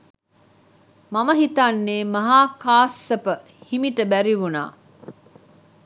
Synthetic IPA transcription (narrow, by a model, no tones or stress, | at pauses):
mɐməɦit̪anːeːmɐɦaːkaːsːɐpə | himiʈəbæɾiʋuna̰ː